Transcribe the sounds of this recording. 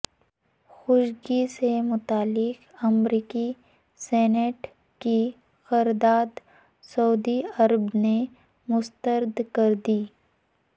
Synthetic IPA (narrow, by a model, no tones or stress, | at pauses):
xʊʃɡisemʊt̪aːlɪqɐmɾiːki | sɛːneʈ | ki | xɐɾd̪aːd̪ | sɐud̪iɐɾəbne | mʊst̪əɾd̪kɐɾd̪iː